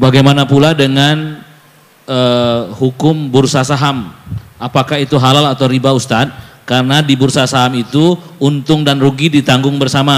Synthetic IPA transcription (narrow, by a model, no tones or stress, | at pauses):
baɡajmanapuladəŋan | əhukʊmbʊrsasaɦamapakahit̪uɦalalat̪awɾibaust̪at̪̚karənadibʊrsasaɦamit̪uunt̪ʊŋdanruɡidit̪aŋɡʊŋbərsama